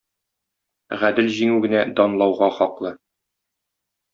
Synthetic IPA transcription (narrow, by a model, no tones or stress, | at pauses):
ʁæd̪ɘlʑiŋʉɡɘ̆næd̪ɒnlˠɑwʁɑχɒqlˠɤ